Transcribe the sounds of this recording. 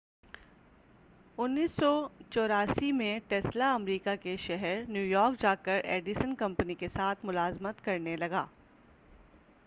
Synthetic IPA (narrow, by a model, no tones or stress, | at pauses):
ʊnːiːsːɔt͡ʃɔːɾaːsimẽʈɛːslaɐmɾiːkakeʃɛɦɛɾnjuːjɔːɾk̚d͡ʒaːkəɾḛːɖisənkɐ̃mpnikesaːt̪ʰmʊlaːzmət̪kɐɾnelɐɡa̰ː